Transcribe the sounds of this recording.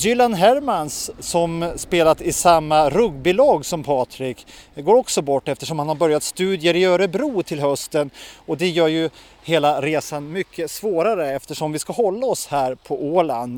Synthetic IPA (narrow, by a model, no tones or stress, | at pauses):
jʏlanɦæɾmansːɔmspeːlat̪ɪsamːaɾɵɡbɪlɑːɡsɔmpʰɑːt̪ʰɾɪkɡoːɾɔksɔbɔʈːɛft̪əʂɔmhanhaɾbœɾjat̪st̪ʉ̟ːd̪jəɾɪjœːɾəbɾuːt̪ʰɪlɦœst̪ənɔd̪ɛjœːɾjɵ | heːlaɾeːsanmʏkʰːəsvoːɾaɾəɛft̪əʂɔmvɪskaɦɔlːaɔshæːɾpʰɔʔoːland̪